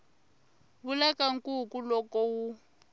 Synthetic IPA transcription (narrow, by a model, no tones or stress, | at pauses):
βulakaŋ̩kukulɔkɔwu